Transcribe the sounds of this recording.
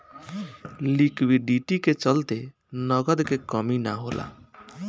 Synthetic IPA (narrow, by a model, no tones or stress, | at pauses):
likwiɖiʈiket͡ʃəlt̪e | nəɡəd̪kekəminaɦolʔa̰